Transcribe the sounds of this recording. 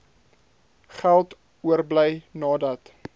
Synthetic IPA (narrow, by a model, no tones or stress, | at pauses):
χælˠt | uərbləjnɑːdɐt